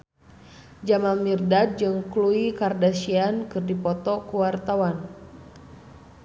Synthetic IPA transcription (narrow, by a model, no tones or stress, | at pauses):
d͡ʒamamirdad̚d͡ʒɨŋkluikardasiankɨrdipɔt̪ɔkuwart̪awan